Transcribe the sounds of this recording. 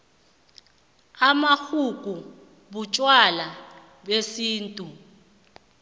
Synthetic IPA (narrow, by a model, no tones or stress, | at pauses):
amaxukʼu | ɓut͡ʃʼwala | ɓesiːntʼu